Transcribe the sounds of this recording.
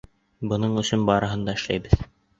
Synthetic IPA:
bɤ̆nɤɴɵ̆sɵnbɑɾɤ̆ɦɤnd̪ɑɘ̆ʃlæjbɘð

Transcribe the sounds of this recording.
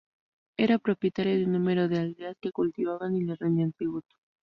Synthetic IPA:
e̞ɾapɾo̞pje̞t̪aɾjoðunːũme̞ɾo̞ðeald̪easke̞kult̪iβaβanilerenant̪ɾiβut̪u̥

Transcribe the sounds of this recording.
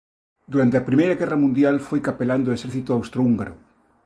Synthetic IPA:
d̪uɾant̪eapɾimejɾaɣɛrɐmũnd̪jalfojkapeland̪oeseɾθit̪oawst̪ɾouŋɡa̰ɾʊ̰

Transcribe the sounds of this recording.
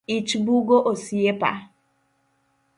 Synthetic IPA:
it͡ʃbuɡoʔosiepa̰

